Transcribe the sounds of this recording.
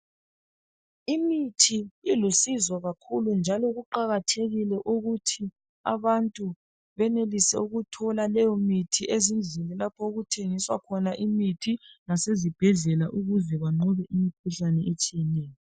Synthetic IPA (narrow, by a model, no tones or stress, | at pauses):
imitʰiilusizɔɣakʰulund͡ʒʱalɔɣuǃaɣatʰeɣilɛʔuɣutʰi | a̰βantʼu | βɛnelisɛ̰uɣutʰɔlalɛjɔmitʰiʔezind͡ɮʱilɛlapʰɔuɣutʰeŋiswa̰kʰɔnaʔimitʰinasezib̥ʱɛɮɛlaʔuɣuzɛβaŋ͡ǃɔβɛʔimikʰuɬanɛet͡ʃʼijɛnɛːjɔ